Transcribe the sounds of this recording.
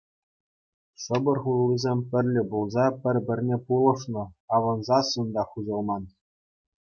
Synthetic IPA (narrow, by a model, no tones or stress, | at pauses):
ʂɤ̆bɤ̆rχulˠːizʲemʲpʲɘ̆rʲlʲɘ̆bulˠzɑpʲɘ̆rʲbʲɘ̆rʲnʲepulˠɤ̆ʂnɤ̆ɑʋɤ̆nzɑsɤnd̪ɑχuʑɤ̆lˠmɑn